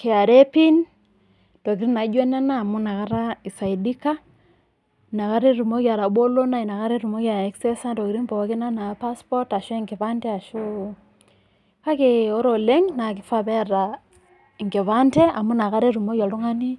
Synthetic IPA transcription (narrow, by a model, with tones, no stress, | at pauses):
ke˨a˨ɾɛ˦pi˦n | d̥ɔ˨k̬i˨ɾi˦na˨˦d͡ʒwɛ˦na˦naː˦˨mu˦na˨ɣa˦ɾa˦i˨sa˨i˨di˦ka˦ | na˨ka˦ɾe˦ɾu˨mo˦ɣja˨ɾa˨ɓo˦lo˦na˦˨i˨na˨ka˦ɾe˦ɾu˨mo˦ɣja˨ɾɛ˦ksɛ˦sa˦ndɔ˨ki˨ɾi˦mpɔ˨wa˦ke˦na˦na˨pa˦spɔ˦ta˨ʃɔ˦ɛ˦ŋɡe˨βa˦ntɛ˦a˨ʃo˦ | ka˦ke˨ɔ˦ɾo˨le˦ŋna˨k̬i˦fa˦βɛ˦ɾa˨ | i˨ŋɡe˨βa˦ntɛ˦a˨mu˦na˨ka˦ɾɛ˦ɾu˨mo˦ɣja˨lo˦ŋa˦ni˦